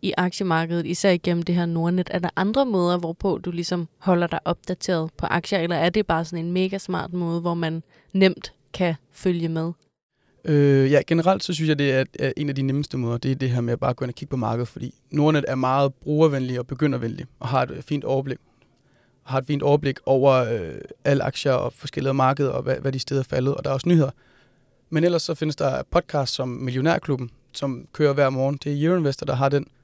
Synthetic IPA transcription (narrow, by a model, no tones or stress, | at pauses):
iʔɑ̈ɡ̥ɕəmɑ̈ːɡ̥əð̞̩ˠisæɐ̰iɡ̥en̰m̩d̥e̝ɦæɐ̰no̝ɐned̥æɐd̥ɑ̈ʔɑ̈nd̥ʁɐmɔ̽ːð̞ˠɐʋɒpʰɔ̽d̥ulisɒ̽mhɒ̽l̰ɐd̥ɑ̈ɪʔɒ̽b̥̚d̥æt͡sʰe̝̰ːɐð̞̩ˠpʰɒ̽ʔɑ̈ɡ̥ɕɐelɐæɐd̥e̝b̥ɑ̈ːsɒ̽ne̝nme̝ːɡ̥æsmɑ̰̈ːd̥mɔːð̞ˠʋɒmæn | nem̰d̥ | kʰæ | føljəmeð̞ˠ | øjæɡ̥enəʁɑ̈l̰d̥sɒ̽s̬ynsjɑ̈ɪd̥e̝æɐæɐʔe̝næd̥ineməsd̥əmɔ̽ːðˠɐd̥e̝æɐd̥e̝ɦeɐ̰meæb̥ɑ̈ːb̥ɡ̥ønækʰiɡ̥̚pʰɒ̽mɑ̈ːɡ̥əð̩ˠfɒd̥ḭːno̝ɐnəʔæɐmɑ̈ːð̞̩ˠb̥ʁuːɐʋenliɒ̽b̥e̝ɡ̥øn̰ɐʋenliʔɒ̽ɦɑ̈e̝d̥fḭːnd̥ɒʊɐb̥le̝ɡ̥ | ɒhɑ̈e̝d̥fḭːnd̥ɒʊɐb̥le̝ɡ̥ʔɒʊ̰ɐø̰æləɑ̈ɡ̥ɕɐɒ̽fɒ̽sɡ̥eliðˠɐmɑ̈ːɡ̥əð̞̩ˠɐɒ̽ʋæʋæd̥isd̥eːðˠɐfælð̩ˠɒ̽d̥ɑ̈æɐɒsənyhe̝ð̰ˠɐ | menel̰ɐsːɒ̽fe̝nəsd̥ɑ̈pʰɒ̽d̥̚kʰɑ̈ːsd̥sɒ̽mmiljo̝nḛɐ̰kʰlub̥n̩ | sɒ̽mkʰøːɐʋæɐ̰mɒːn̩d̥e̝æɐjenʋesd̥ɐd̥ɑ̈ɦɑ̈d̥en